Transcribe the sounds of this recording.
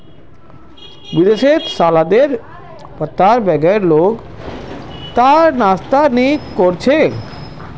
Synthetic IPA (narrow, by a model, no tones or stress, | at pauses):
bid̪eʃetsalad̪eɾ | t̪aɾbɛɡaeɾlok | t̪aɾnast̪anikoɾt͡ɕʰe